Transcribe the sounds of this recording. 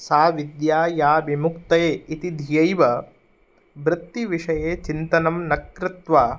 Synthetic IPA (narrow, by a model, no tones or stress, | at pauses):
saːʋid̪jaːjaːʋimukt̪ɐjeːit̪id̪ʱijɐjʋɐ | bɾɐt̪ːiʋiʂɐjeːt͡ʃint̪ɐnɐmnɐkɾɪt̪ʋaː